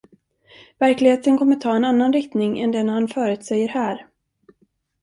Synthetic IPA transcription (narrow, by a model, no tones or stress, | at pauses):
væɾklɪɡheːt̪ənkʰɔmːəʈʰɑːɛnanːanɾɪkt̪nɪŋɛ̰nd̪ɛnhanfœːɾʉ̟t̪sɛjːəɾhæːɾ